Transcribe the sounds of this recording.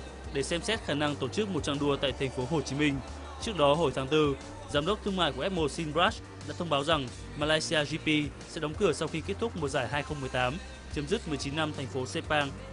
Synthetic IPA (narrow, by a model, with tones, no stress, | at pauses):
ɗe˧˩sɛ˧msɛ˦˥t̚xaː˧˩na˧ŋt̪o˧˩t͡ɕɨ˦˥k̚mo˨˩t̚t͡ɕa˧ŋɗu˧ət̪a̰ː˧˨jt̪ʰɛ˨˩jŋ̟fo˨˦ɦo˨˩t͡ɕi˨˦mï˧ŋ̟ | t͡ɕɨ˦˥ək̚ɗɔ˨˦ɦo˧˩jt̪ʰaː˨˦ŋt̪ɨ˧ | zaː˨˦mɗə˦˥k͡p̚t̪ʰəŋma̰ː˧˨jku˩˨ʔɛ˦˥p̚mo˧˩si˧nbɹaː˦˥s | ɗa̰ː˧˥t̪ʰə˧wŋ͡mɓaː˨˦wza˨˩ŋ | maː˧laː˧jsi˧aː˧zi˧pi˧sɛ̰˧˥ɗɔ˨˦wŋ͡mkɨ˧˩əsa˧wxi˧ke˦˥t̚t̪ʰʊ˦˥k͡p̚mu˨˩zaː˧˩jɦaː˧jxə˧wŋ͡mmː˨˩əjt̪aː˨˦m | t͡ɕə˨˦mzi˦˥k̚mɨ˨˩əjt͡ɕi˨˦nːa˧mt̪ʰɛ˨˩jŋ̟fo˨˦se˧˥paː˧ŋ